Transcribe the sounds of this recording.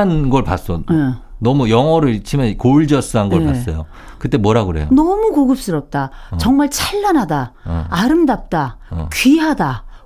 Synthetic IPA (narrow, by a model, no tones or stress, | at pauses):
anɡʌɭpas͈ʌenʌmujʌŋʌɾɯɭt͡ɕʰimjʌnkoɭd͡ʑʌs͈ɯɦanɡʌpas͈ʌjo | kɯt͈e̞mwʌɾaɡɯɾe̞̰jonʌmuɡoɡɯp̚s͈ɯɾʌp̚t͈at͡ɕʌŋmaɭt͡ɕʰaʎːanɦadaːɾɯmdap̚t͈akɥiɦada